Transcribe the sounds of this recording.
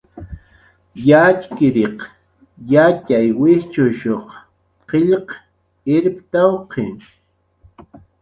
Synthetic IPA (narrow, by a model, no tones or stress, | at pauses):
jat͡ʃkɪɾeq | jat͡ʃajwɪt͡ʃʊʃoq | qɪʎq | ɪɾpt̪awqʰeŋ